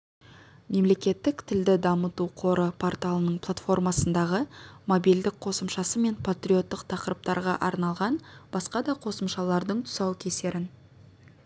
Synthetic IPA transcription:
me̞mle̞kʲe̞t̪ːɪkt̪ʰɪld̪ɪd̪ɑmət̪uqʰo̞ɾəpʰort̪alˠənəɴplˠat̪fo̞rmɑsənd̪ɑʁəmo̞bild̪ɪk̚qʰo̞səmʃɑsəme̞npʰat̪rʲijo̞t̪ːəq̚t̪ʰɑqəɾəp̚t̪ɑɾʁɑʔɑɾnɑlˠʁɑnb̥ɑsqɑd̪ɑqʰo̞səmʃɑlˠɑɾd̪əɴt̪ʰʊ̥sɑwkʲʰe̞se̞ɾɪn

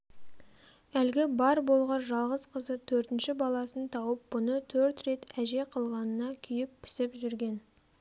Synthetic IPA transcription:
ælɡʲɪbɑɾbo̞lˠʁɑnʒɑlˠʁəzqʰəzət̪ʰɵɾt̪ɪnʃɪbɑlˠɑsənt̪ʰɑwəp̚bʊnət̪ʰɵɾt̪ɾe̞t̪æʒe̞qʰəlˠʁɑnənɑkʲʰʏjɪpʰːɪ̥sɪpʒʏɾɡʲe̞n

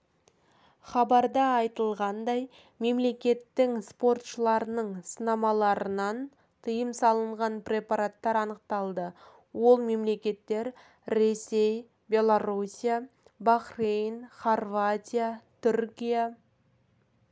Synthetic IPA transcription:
χɑbɑɾd̪ɑːjt̪əlˠʁɑnd̪ɑj | me̞mle̞kʲe̞t̪ːɪŋspo̞rt̪ʃəlˠɑɾənəɴsənɑmɑlˠɑɾənɑn | t̪ʰəjəmsɑlˠəɴʁɑnprʲe̞paɾat̪ːɑɾɑnəq̚t̪ɑlˠd̪ə | wo̞lˠme̞mle̞kʲe̞t̪ːe̞ɾ | ɾe̞sʲe̞j | bʲe̞lˠoɾusʲija | baχrijnχorvat̪ʲijat̪ʰʏɾkʲija

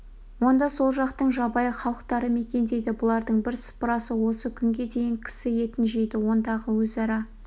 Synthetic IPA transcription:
wo̞nd̪ɑso̞lˠʒɑqt̪əɴʒɑbɑjəχɑlˠəq̚t̪ɑɾəme̞kʲe̞nd̪e̞jd̪ɪbʊlˠɑɾd̪əɴbɪɾspəɾɑsəwo̞səkʲʰʏŋɡʲe̞d̪e̞jɪŋkʲʰɪ̥sɪje̞t̪ɪnʒejd̪ɪwo̞nd̪ɑʁəwɵzɑɾɑ

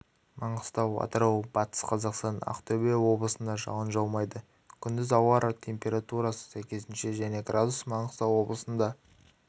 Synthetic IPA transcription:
mɑɴəst̪ɑwɑ̰t̪əɾɑwb̥ɑt̪ə̥sqʰɑzɑqst̪ɑnɑ̰qt̪ʰɵbewo̞blˠəsənd̪ɑʒɑ̰wənʒɑlˠmɑjd̪ə | kʲʰʏnd̪ɪzɑwɑɾt̪ʲʰe̞mpʲe̞ɾat̪uɾɑsə̥sæjkʲe̞zɪnʃe̞ʒæne̞ɡrad̪usmɑɴəst̪ɑwo̞blˠəsənd̪ɑ

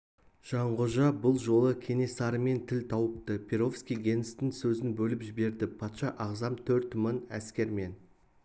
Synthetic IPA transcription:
ʒ̥ɑɴʁʊʒɑbʊlˠʒo̞lˠəkʲʰe̞ne̞sɑɾəme̞nt̪ʰɪlt̪ʰɑwəp̚t̪əpʲʰeɾo̞fskʲijɡʲe̞nɪst̪ɪŋsɵzɪnbɵlɪpʒɪbe̞ɾd̪ɪpʰɑt̪ʃɑʔɑʁzɑmt̪ʰɵɾt̪mənæ̰skʲe̞ɾme̞n

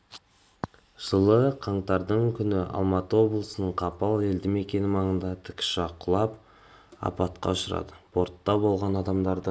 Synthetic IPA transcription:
ʒ̥əlˠəqʰɑɴt̪ɑɾd̪əɴkʲʰʏnɪʔɑ̰lˠmɑt̪əwo̞blˠəsənəɴqʰɑpɑlˠe̞ld̪ɪme̞kʲe̞nɪmɑɴənd̪ɑt̪ʰɪ̥kʲʃɑqʊlˠɑp̚ | ɑ̰pɑt̪qɑ̰ʊʃəɾɑ̰d̪əb̥o̞ɾt̪ːɑbo̞lˠʁɑnɑd̪ɑmd̪ɑɾd̪ə

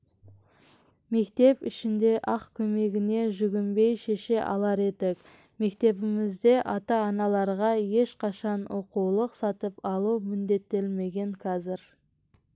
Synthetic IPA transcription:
me̞kt̪e̞pɪʃɪnd̪e̞ʔɑqkʲʰɵme̞ɡʲɪne̞ʒʏɡʲɪmbe̞jʃe̞ʃe̞ʔɑ̰lˠɑɾe̞t̪ɪk | me̞kt̪e̞βɪmɪzd̪e̞ʔɑt̪ɑːnɑlˠɑɾʁɑje̞ʃqʰɑʃɑnwo̞qulˠəqsɑt̪əpɑlˠuwmʏnd̪e̞t̪ːelme̞ɡʲe̞ŋkʲʰɑzɪɾ

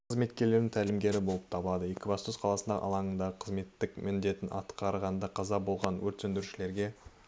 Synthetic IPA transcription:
qqəzme̞t̪kʲe̞ɾle̞ɾd̪ɪŋt̪ʰælɪmɡʲe̞ɾɪbo̞lˠəp̚t̪ʰɑbəlˠɑd̪əjekʲɪvɑst̪osqʰɑlˠɑsənd̪ɑ̰ʔɑ̰lˠɑɴənd̪ɑʁəqʰəzme̞t̪ːɪkmʔɪnd̪e̞t̪ɪnʔɑ̰t̪qɑɾʁɑnd̪ɑqʰɑzɑbo̞lˠʁɑnwɵɾt̪sʏnd̪ɪɾuʃɪle̞ɾɡʲe̞

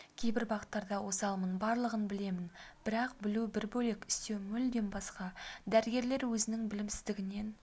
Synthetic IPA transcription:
kʲʰe̞jbɪɾbɑʁət̪ːɑɾd̪ɑwo̞sɑlˠmənbɑɾlˠəʁənbɪle̞mɪnb̥ɪɾɑq̚bɪlubɪɾbɵle̞kʲɪ̥st̪e̞wmʏld̪e̞nbɑsqɑd̪æɾɪɡʲe̞ɾle̞ɾwɵzɪnɪŋbɪlɪmsɪ̥zd̪ɪɡʲɪne̞n

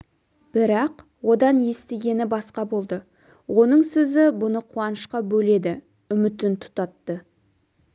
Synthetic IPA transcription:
b̥ɪɾɑq | wo̞d̪ɑnje̞st̪eɡʲe̞nɪbɑsqɑbo̞lˠd̪ə | wʔo̞nəɴsɵzɪbʊnəqʰuɑnəʃqɑbɵle̞d̪ɪ | ʏmɪt̪ɪnt̪ʰʊ̥t̪ɑt̪ːə

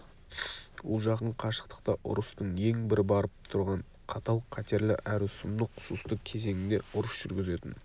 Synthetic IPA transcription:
wolˠʒɑqəɴqʰɑʃə̥qt̪ə̥qt̪ɑʔʊ̰ɾəst̪əɴje̞ŋbɪɾɪbɑɾəp̚t̪ʰʊɾʁɑɴ | qʰɑt̪ɑlˠqʰɑt̪e̞ɾlɪ̰ʔæɾɪsʊmd̪əqʰʊ̥sust̪əkʲʰe̞ze̞ŋɪnd̪e̞̰ʊɾəsʒ̥ʏɾɡʲɪze̞t̪ɪn

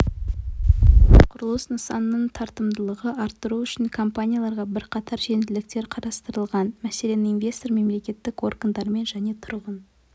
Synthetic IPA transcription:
qʰʊɾəlˠəsnəsɑnːəɴt̪ʰɑɾt̪əmd̪əlˠəʁəɑɾt̪ːəɾuʏʃɪŋkʰo̞mpanʲijalˠɑɾʁɑbɪɾqʰɑt̪ʰɑɾʒe̞nd̪ɪlɪk̚t̪e̞ɾqʰɑɾɑst̪əɾəlˠʁɑnmæse̞le̞nɪinvʲe̞st̪o̞ɾme̞mle̞kʲe̞t̪ːɪko̞rɡənd̪ɑɾme̞nʒæne̞t̪ʰʊɾʁən

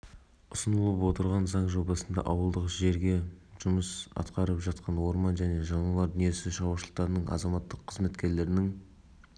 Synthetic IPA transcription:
ʊsənəlˠəpwo̞t̪əɾʁɑnzɑɴʒo̞bɑsənd̪ɑ̰ʔɑwəlˠd̪əqʒe̞ɾɡʲe̞ʒʊməsɑ̰t̪qɑɾəpʒɑt̪̚qʰɑnwo̞ɾmɑnʒæne̞ʒɑɴɑlˠɑɾd̪ʏnije̞sɪʃɑwɑʃəlˠəq̚t̪ɑɾnəɴʔɑ̰zɑmɑt̪ːəqʰːəzme̞t̪kʲe̞ɾle̞ɾɪnɪŋ

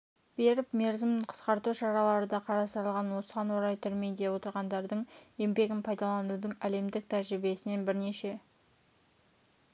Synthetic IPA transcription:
b̥e̞ɾɪpme̞ɾzɪmqʰə̥sqɑɾt̪uʃɑɾɑlˠɑɾəd̪ɑqʰɑɾɑst̪əɾəlˠʁɑnwo̞səʁɑnwo̞ɾɑjt̪ʰʏɾme̞jd̪e̞wo̞t̪əɾʁɑnd̪ɑɾd̪əɴje̞mbe̞ɡʲɪnpʰɑjd̪ɑlˠɑnud̪əɴæle̞md̪ɪk̚t̪ʰæɾʒɾɪbe̞sɪne̞nbɪɾne̞ʃe̞

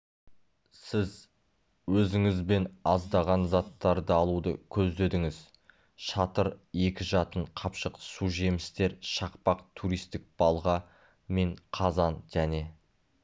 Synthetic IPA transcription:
sɪz | wɵzɪŋɪzbe̞nɑzd̪ɑʁɑnzɑt̪ːɑɾd̪əɑlˠud̪ə̰kʲʰɵzd̪e̞d̪ɪŋɪz | ʃɑt̪əɾe̞kʲɪʒɑt̪əɴqʰɑpʃəqsuʒe̞mɪst̪e̞ɾʃɑqpɑqt̪ʰuɾijst̪ɪk̚b̥ɑlˠʁɑ | me̞ɴqʰɑzɑnʒ̥æne̞

